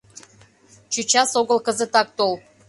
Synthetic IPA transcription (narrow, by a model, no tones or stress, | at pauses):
t͡ɕut͡ɕɑsoɣəlkə̆zə̆t̪ɑk̚t̪olˠ